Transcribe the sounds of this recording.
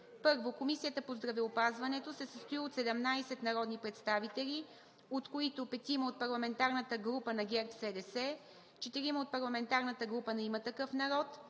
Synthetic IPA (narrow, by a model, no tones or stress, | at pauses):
pɤɾvokomisijət̪əpozd̪ɾɐvɛopazvɐnɛt̪osɛsəst̪oiot̪sɛd̪ɛmnajsɛt̪nɐɾɔd̪nipɾɛt̪st̪avit̪ɛlʲi | ot̪koit̪opɛt̪iməot̪̚pɐɾlˠɐmɛnt̪aɾnət̪əɡɾupənɐɡʲɛɾp̪sɛd̪ɛsɛ | t͡ʃɛt̪iɾiməot̪̚pɐɾlˠɐmɛnt̪aɾnət̪əɡɾupənɛimət̪ɐkɤfnɐɾɔt̪